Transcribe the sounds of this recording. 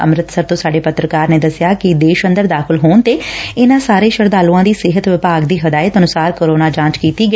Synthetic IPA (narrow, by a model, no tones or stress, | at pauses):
ə̰mɾɪt̪səɾt̪õːsaːɖeːpət̪ɾəkaːɾneːd̪əsɪjaːkɪd̪eːʃənd̪əɾd̪aːkʰɪlɦoːnt̪eːɪnãːsaːɾeːʃəɾd̪aːlũːãːd̪iːsɪɦət̪ʋɪpaːɡd̪iːɦəd̪aːɪət̪ənʊsaːɾkoːɾoːnaːd͡ʒãːt͡ʃkiːt̪iːɡə